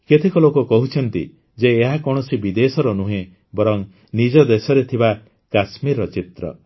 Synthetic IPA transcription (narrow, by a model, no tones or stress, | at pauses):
ket̪ʰekɔlokɔkɔɦut͡ʃʰɔnt̪ḭ | d͡ʒeːɦakɔɽ̃ɔsibid̪esɔɾɔnuɦẽ | bɔɾɔŋ | nid͡ʒɔd̪esɔɾet̪ʰiba | kasmiɾɔt͡ʃit̪ɾɔ̰